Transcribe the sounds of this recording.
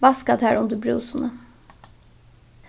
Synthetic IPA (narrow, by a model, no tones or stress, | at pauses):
ʋɑskɑd̪hæːɾʊnd̪əbɾṵːsnə